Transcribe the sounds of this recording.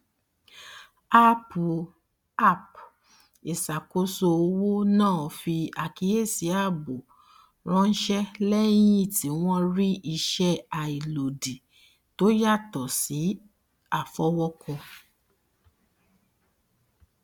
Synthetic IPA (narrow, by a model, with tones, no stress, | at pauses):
a˦pu˨ | a˦˨p | i˨sa˨ko˦so˧o˧wo˦nãː˦˨fi˧a˨ki˨˦je˦˨si˨˦a˦˨bo˨ | ɾ̃ɔ̃˦n̩˦ʃɛ˦lɛ˦j̃ĩ˦˨tʰi˨˦w̃ɔ̃˦ɾi˦i˧ʃɛ˦a˨i˨lo˨di˨ | to˦ja˦˨tɔ˨si˨˦ | a˨fɔ˨˦wɔ˦kɔ˧